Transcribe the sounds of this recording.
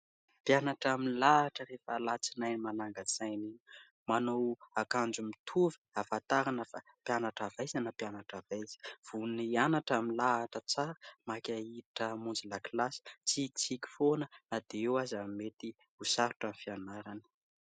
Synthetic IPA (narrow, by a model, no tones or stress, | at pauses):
pjanaʈ͡ʂaminlaːʈ͡ʂəɾefalat͡sinajnimanaŋɡət͡sajni | manowakand͡ʒumit̪ʰuvi̥afat̪aɾanəfa | pjanaʈ͡ʂavajzanəpjanaʈ͡ʂavajz̥i̥v̥unianaʈ͡ʂaminlaːʈ͡ʂət͡saɾəmakʲaiʈ͡ʂəmund͡ziləkilasi̥t͡sit͡sikʲi̥fonənad̪̥eewazamet̪i | usaɾuʈ͡ʂanifianaɾanə̥